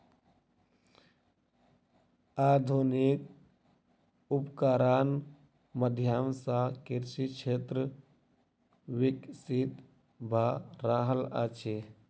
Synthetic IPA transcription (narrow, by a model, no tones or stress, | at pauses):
aːd̪ʱunik | upkaːɾaːn | məd̪ʱjaːmsãkiɾsit͡ʃʰet̪ɾə | wiksit̪ | bʱaɾaːɦəla̰t͡ʃʰe